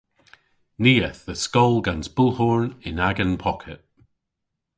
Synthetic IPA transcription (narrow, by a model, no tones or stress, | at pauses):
niːəθðəskɔlˠɡãnzb̥ʊlˠhɔɹnɪ̃naɡə̃npʰɔkʰɪʔ